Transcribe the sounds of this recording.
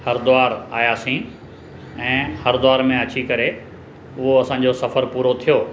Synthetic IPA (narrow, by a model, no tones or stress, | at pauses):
hɐɾd̪ʊaːɾa̰ːjaːsĩː | ɛ̃ːhɐɾd̪ʊaːɾmẽɐt͡ɕikɐɾe | ʊɦoɐsãːɲ̆d͡ʑosɐfəɾpuːɾot̪ʰijoː